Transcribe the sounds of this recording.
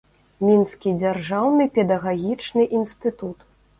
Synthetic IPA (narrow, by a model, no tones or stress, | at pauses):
mʲinskʲid͡zʲarʐawnɨpʲɛd̪ɐɣaɣʲit͡ʂnɨʔinst̪ɨt̪ut̪